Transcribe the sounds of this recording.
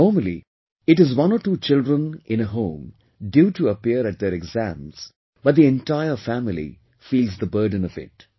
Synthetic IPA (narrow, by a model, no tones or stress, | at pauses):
nɔːɹməlḭ | ɪʈɪzwʌ̃nɔʈuːt͡ʃɪldɾə̃nʔɪ̃ñəɦõʊ̃m | djuʈʰuəpiəɾɨʈ̚d̪əɾɛɡzæ̰̃mz̥ | b̥ʌt̚d̪iɛ̃nʈaɪəfæmɪlḭ | fiːlˠzðəbɜ˞ɖə̃nʌvɪ̰t̚